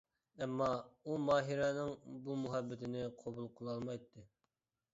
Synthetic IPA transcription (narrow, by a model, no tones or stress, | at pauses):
ɛmːɑumɑːɦiɾɑnɨŋbumuɦɛbːɪt̪ʰɪnɪqʰobulˠqʰʊlˠɑlˠmɑjt̪ʰːɨ